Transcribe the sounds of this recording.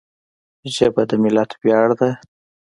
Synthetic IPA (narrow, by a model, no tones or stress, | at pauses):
ʒəbad̪əmɪlat̪bjɑɽd̪a